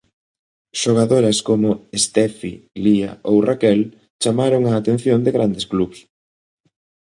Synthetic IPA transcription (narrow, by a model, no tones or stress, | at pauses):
ʃoɣ̞aðoɾɐskomʊest̪ɛfilia̰owrakɛl | t͡ʃamaɾoŋaːt̪ẽn̟θjond̪ɪɣɾand̪esklups